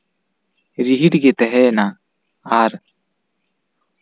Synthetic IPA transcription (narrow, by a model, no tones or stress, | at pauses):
ɾiɦiʈɡɛt̪ɛɦɛna | aɾ